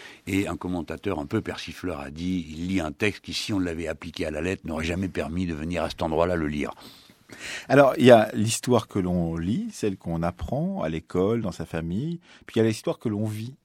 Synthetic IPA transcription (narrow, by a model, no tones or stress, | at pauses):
eɛ̃kɔmɑ̃t̪at̪œʁɛ̃pøpɛʁsiflœʁa̰d̪iilːiɛ̃t̪ɛkst̪̚kʲisiɔ̃ləavɛaplikʲealalɛt̪χnɔʁɛʒamɛpɛʁmid̪əvəniʁasɛ̥t̪ɑ̃d̪ʁwalaləlḭːʁ | alɔʁiljalist̪waʁkəlɔ̃lisɛlkɔ̃napχɑ̃a̰lekɔld̪ɑ̃safamij | pɥijalezist̪waʁkəlɔ̃vi